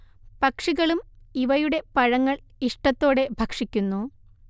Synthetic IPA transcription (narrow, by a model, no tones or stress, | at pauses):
pɐkʂiɣɐɭumiʋɐjuɽe̞pɐɻɐŋːɐɭiʂʈɐt̪ːo̞ːɽe̞bʱɐkʂikʲːunːu